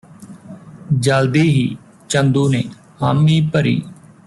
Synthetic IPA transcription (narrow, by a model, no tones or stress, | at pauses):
d͡ʒəld̪iːɦiː | t͡ʃənd̪uːneː | haːmiːpəɾḭː